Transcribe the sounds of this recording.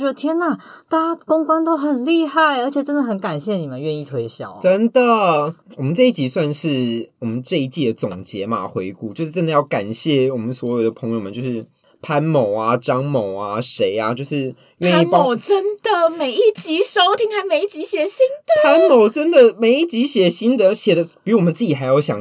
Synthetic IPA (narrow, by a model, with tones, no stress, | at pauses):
ɥɛ˧˥ə˧˩t̪ʰjɛ˥na˨˩ | t̪aa˥kʊ˥ŋkwa˥nt̪o˥ʊxə˨˩nli˥˧xa˥˩ɪə˧˥t͡ɕʰɛ˨˩ʈ͡ʂə˥nd̪ə˨xə˧˩˦nka˨˩nɕjɛ˥˩ni˨˩mə˦nɥɛ˥˧ni˥˩t̪ʰwe˧˥ɪɕjɑ̰˨˩˦ʊʈ͡ʂə˦˥nd̪ə˨wɔ˨˩mə˦nʈ͡ʂɤ˥˧i˥˩t͡ɕi˨˥swa˥˧nʂɻ̩˥˩wɔ˨˩mə˦nʈ͡ʂɤ˥˧i˥˩t͡ɕi˥˩d̪ə˩t͡sʊ˨˩ŋt͡ɕjɛ˧˥ma̰˨xwe˧˥ɪku˥˧t͡ɕjo˥˧ʂ̩˥ʈ͡ʂə˥nd̪ə˨jɑ˥˩ʊka˨˩nɕjɛ˥˩wɔ˨˩mə˦nswɔ˧˥jo˨˩ʊd̪ə˩pʰɤ˧˥ŋjo˨˩mə˨˦t͡ɕjo˥˧ʊʂɻ̩˥˩ | pʰa˥nmo˨˩ʊa˨ʈ͡ʂɑ˥ŋmo˨˩ʊa˦ʂe˧˥ɪa˦t͡ɕjo˥˧ʊʂɻ̩˥˩ | ɥɛ˥˧ni˥˩pɑ˥o˨˩ʊʈ͡ʂə˦˥nd̪̥ə˨me˨˩ɪi˥˩t͡ɕi˧˥ʂo˥ʊt̪ʰi˧˥ŋxa˧˥ɪme˨˧ɪi˥˩t͡ɕi˧˥ɕjɛ˨˩ɕi˥ŋd̪̥ə˨pʰa˥nmo˨˩ʊʈ͡ʂə˦˥nd̪ə˨me˧˥ɪi˥˩t͡ɕi˧˥ɕjɛ˨˩ɕi˥nd̪ə˨ɕjɛ˨˩d̪ə˦pi˨˩u˥wɔ˨˩ə˦t͡sɹ̩˥˩t͡ɕi˨˩xa˧˥ɪjo˧˩ʊɕjɑ̰˨˩ŋ